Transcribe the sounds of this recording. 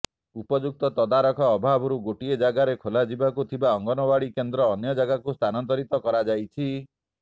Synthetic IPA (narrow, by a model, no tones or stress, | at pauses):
upɔd͡ʒuk̚t̪ɔt̪ɔd̪aɾɔkʰɔːbʱabɔɾuɡoʈied͡ʒaɡaɾekʰolad͡ʒibakut̪ʰibaɔŋɡɔnɔbaɭikend̪ɾɔːnjɔd͡ʒaɡakust̪ʰanɔnt̪ɔɾit̪ɔkɔɾad͡ʒajt͡ʃʰi